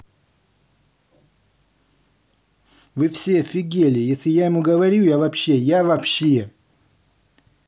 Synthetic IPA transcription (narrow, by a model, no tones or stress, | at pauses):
vɨfsʲefʲɪɡʲelʲɪjesʲlʲɪjajɪmuɡəvɐɾʲujavɐpɕːe̞javɐpɕːe